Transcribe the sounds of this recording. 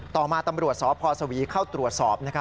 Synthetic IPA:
t̪ɔː˨˩maː˧t̪a˧mɾu˨˩ət̪̚sɔː˨˦˥pʰɔː˧sa˧wiː˨˦kʰaː˥˩wt̪ɾu˨˩ət̪̚sɔː˨˩p̚na˥kʰ

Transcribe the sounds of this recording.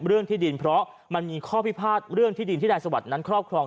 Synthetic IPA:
ɾɯ˥˩əŋt̪ʰiː˥˩di˧npʰɾɔ˦˥ | ma˧nmiː˧kʰɔː˥˩pi˦˥pʰaː˥˩t̪̚ɾɯ˥˩əŋt̪ʰiː˥˩di˧nt̪i˥daː˧jsa˧wa˨˩t̪̚na˦˥nkʰɾɔː˥˩p̚kʰɾɔː˧ŋ

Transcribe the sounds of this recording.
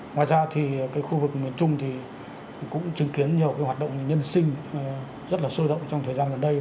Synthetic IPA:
ŋwaː˨jzaː˧t̪ʰi˨˩kaː˨˦jxu˧vɨ˨˩k̚mi˨˩ənt͡ɕʊ˧ŋ͡mt̪ʰi˨˩ | kʊ̰˧˥ŋ͡mt͡ɕi˨˦ŋki˨˦ənɲi˨˩əwkaː˨˦jhaː˨˩t̚ɗə̰˧˨wŋ͡mɲə˧nsï˧ŋ̟ | zə˦˥t̚laː˨˩səː˧ɗə̰˧˨wŋ͡mt͡ɕɔ˧ŋ͡mt̪ʰə˨˩zaː˧nɣə˨˩nɗə˧j

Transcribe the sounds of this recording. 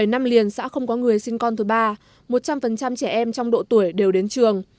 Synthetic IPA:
ə˧˩jna˧mli˨˩ənsa̰ː˧˥xə˧wŋ͡mkɔ˨˦ŋɨ˨˩əjsï˧ŋ̟kɔ˧nt̪ɨ˨˦jɓaː˧ | mo˨˩t̚t͡ɕa˧mfə˨˩nt͡ɕa˧mt͡ɕɛ˧˩ʔɛ˧mt͡ɕɔ˧wŋ͡mɗo̰˧˨t̪u˧˩əjɗe˨˩wɗe˨˦nt͡ɕɨ˨˩əŋ

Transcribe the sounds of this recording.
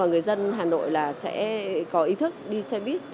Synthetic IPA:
aː˨˩ŋɨ˨˩əjzə˧nɦaː˨˩no̰˧˨jlaː˨˩sɛ̰˧˥kɔ˨˦ʔi˨˧˦t̪ʰɨ˦˥k̚ɗi˧sɛ˧ɓi˦˥ət̚

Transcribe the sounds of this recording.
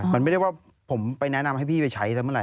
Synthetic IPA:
ma˧na˥˩ɾkwaː˥˩ | pʰo˩˦mpa˧jnɛ˦˥na˧mha˥˩jpʰiː˥˩pa˧jt͡ɕʰa˦˥j̪a˧mɯ˥˨ɾa˧˦

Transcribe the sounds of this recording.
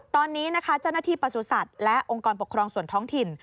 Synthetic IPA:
t̪ɔː˧nːiː˦˥na˦˥kʰa˦˥t͡ɕa˥˩wna˧˩t̪ʰiː˧˩pa˧˩su˨˩sa˨˩t̪̚lɛ˦˥ʔʔo˧ŋkɔː˧np̬o˨˩kʰɾɔː˧ŋsu˨˩ənt̪ʰɔː˦˥ŋt̪ʰi˨˩n

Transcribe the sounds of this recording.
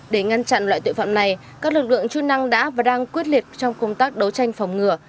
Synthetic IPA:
ɗe˧˩ŋa˧nt͡ɕa̰˧˨nlwa̰ː˧˨jt̪ṵ˧˨˩fa̰ː˧˨mna˨˩j | kaː˦˥k̚lɨ˨˩k̚lɨ̰˧˨əŋt͡ɕu˦˥na˧ŋɗa̰ː˧˥vaː˨˩ɗaː˧ŋkwi˦˥ət̚li˨˩p̚t͡ɕɔ˧wŋ͡mkə˧wŋ͡mt̪aː˦˥k̚ɗə˨˦wt͡ɕa˧jŋ̟fɔ˨˩wŋ͡mŋɨ˨˩ə

